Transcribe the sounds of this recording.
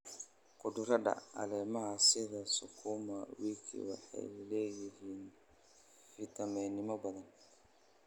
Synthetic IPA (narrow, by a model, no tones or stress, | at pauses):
qʊd̪ʊɾɐɖɐ̰ɐ̰lɛːmɐɦɐsɪðɐsʊkʰuːmɐwiːkʰḭwɑ̰ħɑ̰jlɛːjɪɦiːn | fɪt̪ʰɐmɛːnɪmɔbɐðɐn